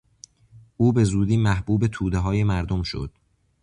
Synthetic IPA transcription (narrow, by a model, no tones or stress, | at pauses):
ʔuːbe̞zuːd̪iːmæhb̥uːbe̞t̪ʰuːd̪eɦɒːje̞mæɾd̪omʃo̞̰d̪̥